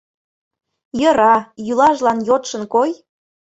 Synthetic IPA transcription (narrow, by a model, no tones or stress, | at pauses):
jə̆ɾɑjylɑʒlɑnjot̪ʃə̆nkoj